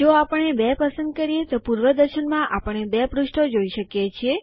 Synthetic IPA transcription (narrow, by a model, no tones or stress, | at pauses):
d͡ʒoapəɳːebɛpəsənd̪̚kəɾijet̪opuɾʋəd̪əɾʃənmãʔapəɳebɛpɾʊʃʈʰod͡ʒoiʃəkjet͡ʃʰie